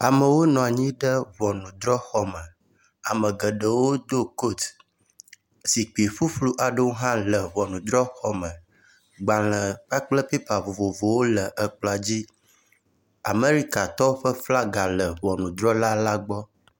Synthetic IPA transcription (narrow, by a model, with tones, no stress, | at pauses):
a˨mə˨wo˦nɔ̃˨a˨ɲĩ˦ɖə˦vɔ˨nũ˨d̪ɾɔ˦xɔ˦mə˨ | a̰˨mə̃˨ɡə˨ɖə˨wo˦d̪o˦ko˦˨t̪ | si˨k͡pe˨ɸu˦ɸlu˦ʔa˨ɖə˦wo˦ɦã˦lə˨vɔ˨nũ˨d̪ɾɔ˦xɔ˦mə˨ | ɡ͡ba˨l̃ə˨k͡pa˦k͡plə˦pe˦pa˨vo˨vo˨vo˨wo˦lə˨ʔə˨k͡plɔ˨a˨d͡ʑi˦ | a̰˨me˦ɾi˦ka˨t̪ɔ˦ɸə˦fla˦ɡa˨lə˨vɔ˨nũ˨d̪ɾɔ˦la˦la˦ɡ͡bɔ˦